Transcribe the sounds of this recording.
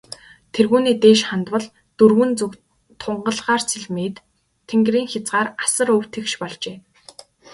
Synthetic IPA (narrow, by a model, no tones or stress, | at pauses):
t̪ʰerɣuːniːt̪eːʃχant̪wə̆ɮ | t̪ɵrɣɘ̆nt͡sɵk | t̪ʰʊɴɢə̆ɮʁaːrt͡sʰiɮmiːt̪ʰː | eŋɡriːŋxʲat͡sɢaːrasə̆ɾɵw̥t̪ʰɘ̆kʃpɔɮt͡ɕeː